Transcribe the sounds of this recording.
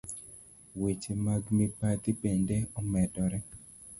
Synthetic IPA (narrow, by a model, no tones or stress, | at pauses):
wet͡ʃemaɡmepat̪ipendeɔmɛdɔɾɛ